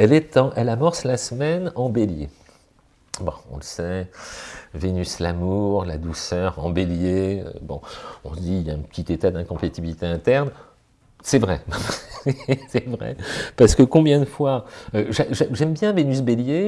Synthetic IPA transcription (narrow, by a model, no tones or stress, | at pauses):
ɛlɛt̪ɑ̃ʔɛlamɔʁslasəmɛnɑ̃belje | bɔ̃ɔ̰̃ləsɛ | venyslamuʁla̰d̪usœʁɑ̰̃beljeø̰bɔ̰̃ɔ̃sd̪iljaɛ̃pə̥t̪ʰit̪et̪ad̪ɛ̃kɔ̃pat̪ibilit̪eɛ̃t̪ɛʁn | sɛvʁɛ | sɛvʁɛ̰paʁsə̥kəkɔ̃bjɛ̃d̪əfwaøʒɛʒɛʒɛmbjɛ̃venysbelje